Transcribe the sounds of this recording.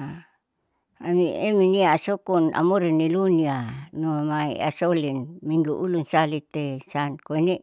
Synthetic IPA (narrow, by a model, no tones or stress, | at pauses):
a | amieminiaːsokuna̰muɾinːilunianumaḭa̰solinmiŋɡuʔulunsalit̪esankoini